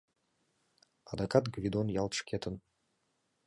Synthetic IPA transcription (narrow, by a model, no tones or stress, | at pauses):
a̰d̪akat̪ɡvʲid̪onjɑlˠt̪ʃkʲʰet̪ən